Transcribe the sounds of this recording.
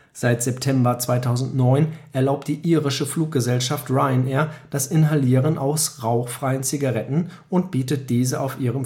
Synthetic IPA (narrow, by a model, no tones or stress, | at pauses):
z̥aɪtz̥ɛptʰɛmbɐt͡sv̥aɪtʰaʊzn̩tnɔʏnʔɛɐlaʊp̚t̚d̥iːʔiːʁɪʃəfluːk̚ɡ̥əzɛlʃaftʁaɪnɛːɐd̥asʔɪnɦaliːʁənʔaʊsʁaʊxfʁ̥aɪənt͡siɡaʁɛtn̩ | ʊnt̚b̥iːtət̚d̥iːzəʔaʊfʔiːʁəm